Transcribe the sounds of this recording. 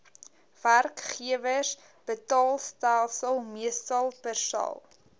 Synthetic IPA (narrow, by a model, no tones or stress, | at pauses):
v̥ærkχiəvəs | b̥ətɑːlˠstælˠsəlˠmiəstɐlˠpərsɐ̰lˠ